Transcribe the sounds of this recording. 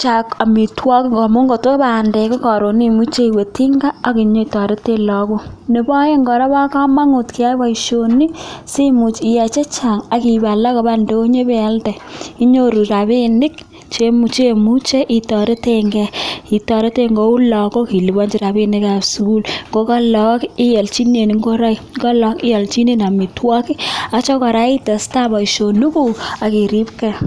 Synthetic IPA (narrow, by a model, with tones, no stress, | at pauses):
t͡ʃa˨ka˨mi˨twɔ˦kŋɡɔ˨mo˦ŋɡo˨to˦ba˨nde˨ko˦kɔ˨ɾo˨ni˦˨mu˦t͡ʃe˦i˨we˨ti˦ŋɡa˦a˦ki˨ɲo˦i˨tɔ˨ɾe˦te˦lɔ˨ko˦ne˨bɔ˦je˦ŋɡɔ˨ɾa˦ba˦ka˦ma˦ŋu˨tki˨a˦ba˦i˨ʃo˨ni˦si˦mu˨t͡ʃi˨jɛ˨t͡ʃe˦t͡ʃa˨ŋa˨ki˨ba˨la˦ko˨ba˦nde˨o˦ɲe˦be˦a˦ltɛ˨i˦ɲo˦ɾu˨ɾa˨βi˦nɪ˦k | t͡ʃe˦t͡ʃe˦mu˦t͡ʃe˦ʔi˨tɔ˨ɾe˦te˦ŋɡɛ˦i˨tɔ˧ɾe˦te˦ŋɡo˦u˦lɔ˨ko˦ki˨li˨bɔ˦ɲd͡ʒi˨ɾa˨bi˦ni˦ka˨bsu˨ku˦lŋɡo˦kɔ˦lɔ˦ki˦jɛ˨lt͡ʃi˦ne˨ni˨ŋɡo˦ɾa˦i | kɔ˦lɔ˦kɪ˦jɛ˨lt͡ʃi˦ne˦na˨mi˨twɔ˦ki˦a˨t͡ʃɔ˦kɔ˨ɾa˨˦i˦te˨sta˦bɔ˨i˨ʃo˨nu˦ku˨a˨ki˨ɾi˦pkɛ˦˨